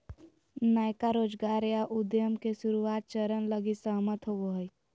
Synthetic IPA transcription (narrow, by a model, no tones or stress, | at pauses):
naːjkaɾoːd͡ʒɡaːɾjaʔʊd̪jəmkesʊɾuaːt̪̚t͡ʃəɾənləɡisəɦmət̪ɦoʋoɦoj